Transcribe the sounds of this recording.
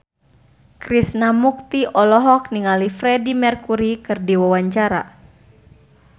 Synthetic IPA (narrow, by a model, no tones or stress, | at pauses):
kɾisnamuk̚t̪iʔɔlɔɦɔk̚niŋalifɾɛdimɛrkuɾikɨrdiwawaɲt͡ʃaɾa̰